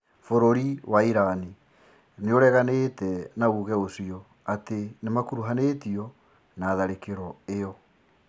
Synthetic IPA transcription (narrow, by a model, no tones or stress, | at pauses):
foɾoɾiwaiɾani | neoɾɛɣaneːtɛnauɣɛosiɔ | atenemakuɾuɦanetiɔ | naːðaɾekeɾɔeɔ